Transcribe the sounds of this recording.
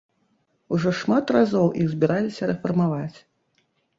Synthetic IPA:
uʐɔʂmat̪razɔwʔiɣzʲbʲiɾʔalʲisʲɐɾɛfɐrmavat͡sʲ

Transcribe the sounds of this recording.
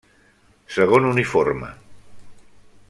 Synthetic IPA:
səɣ̞onuniformə̰

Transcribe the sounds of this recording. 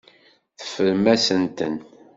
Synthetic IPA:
θə̥fːəɾmæsənt̪ən

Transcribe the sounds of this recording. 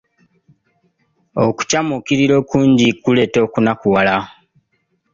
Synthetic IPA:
oku̥camukiɾiɾo̞ːkuːɲɟikule̞ːto̞ːkunakuwala

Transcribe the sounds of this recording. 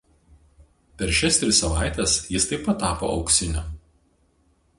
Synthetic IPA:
pʲɛɾʃʲɛst̪ʲɾʲɪsːɐʋɑ̰ˑɪt̪ʲɛsjɪst̪ɐɪpɐt̪ːɑːpo̰ːʔɒ̰ʊksʲɪnʲʊ

